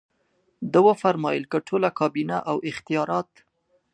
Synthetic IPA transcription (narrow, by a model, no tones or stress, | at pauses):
d̪əwəfaɾmɑjəlkəʈʰolakɑbinaʔawɪxt̪ijɑɾɑt̪